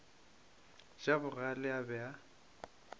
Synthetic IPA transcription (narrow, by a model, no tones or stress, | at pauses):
d͡ʒabʊɣalɪabɛa